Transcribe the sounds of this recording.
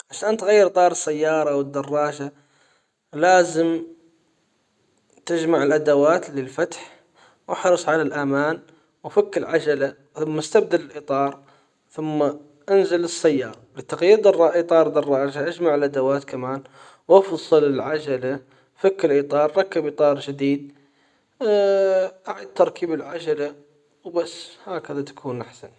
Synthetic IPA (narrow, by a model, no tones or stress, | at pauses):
ʕaʃʔaːnt̪ɣajːɪɾt̪ˤɑːɾˤɨsːajːɑːɾˤɑwɪd̪ːɑrˤːɑːʒa | laːzɪm | t̪ɪd͡ʒmaʕɪlʔad̪awaːt̪lɪlfat̪ħ | wʔɪħɾɨsˤʕalalʔamaːn | wfakːɪlʕad͡ʒala | θʊmːast̪ab̚d̪alɪlʔit̪ˤɑːɾˤ | θʊmːa | ʔanzɪlɨsːajːɑːɾˤɑlɪt̪ːɑqjiːd̪ˤɑrˤːɑʔit̪ˤɑːɾˤd̪ˤɑrˤːɑʔaʒaʔad͡ʒmaʕɪlʔad̪awaːt̪kamaːn | wɑfsˤɨlɪlʕad͡ʒala | fakːɪlʔiːt̪ˤɑːɾˤːɑkːɪbiːt̪ˤɑːɾˤd͡ʒɪd̪iːd̪̚ | ʔaʕid̪̚t̪ːɑɾˤkiːbɪlʕad͡ʒala | wbasːhaːkɪðat̪ḁkʰuːnʔaħsan